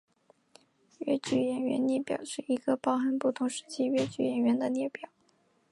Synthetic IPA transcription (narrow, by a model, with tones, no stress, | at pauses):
ɥɛ̰˥t͡ɕy˨˩jɛ˨˩nɥɛ̰˧˥nnjɛ˥˩pjɑ̰˨˩ʊʂɻ̩˥˩i˧˥ɡə˧pɑ˥ʊxə˥npu˥˩t̪ʰʊ˧˥ŋʂɻ̩˧˥t͡ɕʰi˥ɥɛ˥t͡ɕy˨˩jɛ˨˩nɥɛ˧˥nd̪ə˧njɛ˥˩pjɑ˨˩˦